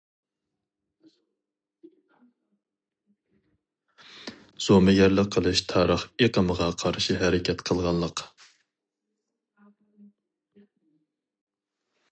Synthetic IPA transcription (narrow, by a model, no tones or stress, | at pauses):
z̥omɛɡʲɛɾlɪqʰːəlˠɨʃt̪ʰɑːɾəχeqəməʁɑqʰɑɾʃiɦɛɾɪkʲʰɛt̪qʰəlˠʁɑnlˠəq